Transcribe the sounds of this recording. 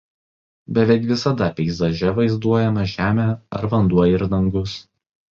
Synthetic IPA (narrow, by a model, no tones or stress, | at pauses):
bʲɛʋʲɛɪkʋʲɪsɐd̪ɐpʲɛɪzɐʒʲɛʋɐɪzd̪uɔjɛmɐʒʲæːmʲæːɐ̰ɾʋɐnd̪uɔjɛɪɾd̪ɐŋɡʊs